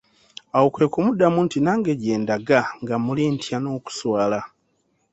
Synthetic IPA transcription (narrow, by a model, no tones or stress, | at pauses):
awokwe̞ːkumudamuntinaːŋɡe̞ɟeːndaɡaŋɡamuliːntʰjano̞ːku̥swaːla